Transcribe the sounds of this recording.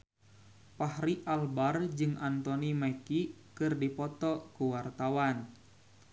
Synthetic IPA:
pahɾiʔalbard͡ʒɨŋʔant̪ɔnimɛkikɨrdipɔt̪ɔkuwart̪awan

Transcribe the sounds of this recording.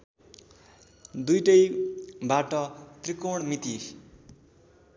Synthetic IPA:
d̪ujʈʌjbaʈʌt̪rikoɽmit̪i

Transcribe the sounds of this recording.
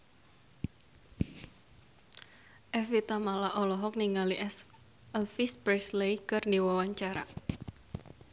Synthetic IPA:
ʔɛfit̪amalaʔɔlɔɦɔk̚niŋaliʔɛs | ɛlfispɾɛslejkɨrndiwɔwaɲt͡ʃaɾa̰

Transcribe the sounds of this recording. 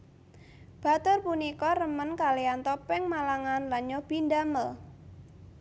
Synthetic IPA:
b̥a̤t̪ʊrpunikɔrəmənkaliant̪ɔpɛŋmalaŋanlaɲɔb̥i̤ndaməl

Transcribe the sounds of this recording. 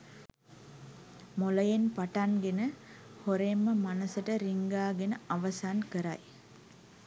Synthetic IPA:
moləjenpaʈanɡenəhoɾemːəmanəsəʈəɾiŋɡaːɡenəaʋɐsaːnkəɾa̰j

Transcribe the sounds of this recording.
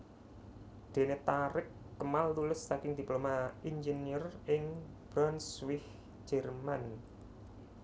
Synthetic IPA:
d̪̥e̤net̪aɾɪk̚ːəmaltulɪsːakɪŋd̪̥i̤plomaind͡ʒeniərɪŋb̥ɾɔnswɪh | d͡ʒ̥ɛrman

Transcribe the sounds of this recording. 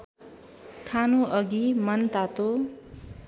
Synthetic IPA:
kʰanuʔʌɡimʌnt̪at̪o

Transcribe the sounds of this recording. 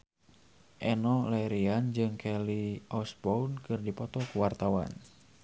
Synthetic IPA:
ʔɛnɔlɛɾiand͡ʒɨŋkʰɛliɔsbɔunkɨrdipɔt̪ɔkuwart̪awa̰n

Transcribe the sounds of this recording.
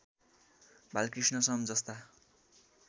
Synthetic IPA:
bʱalkrisnʌsʌmd͡zʌst̪a

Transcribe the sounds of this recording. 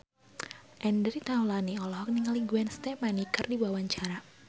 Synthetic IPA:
ʔɛndəɾit̪aulaniɔlɔɦɔk̚niŋəliŋɡuanst̪ɛmanikərdibawaɲt͡ʃaɾa

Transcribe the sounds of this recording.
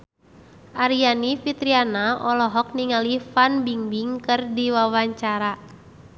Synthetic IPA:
ʔaɾianifit̪ɾianaɔlɔɦɔk̚niŋalifanbiŋbiŋkɨrdiwawaɲt͡ʃaɾa

